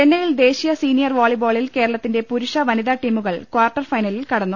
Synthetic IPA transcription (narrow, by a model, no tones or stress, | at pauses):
t͡ɕenːɐjild̪e̞ːɕijɐsiːnijɐrʋoːɭibo̞ːɭilke̞ːɾɐɭɐt̪ːinde̞puɾuʂɐʋɐniðaːʈːiːmuɣɐɭkwaːrʈːɐrfɐjnɐlilkɐɽɐnːu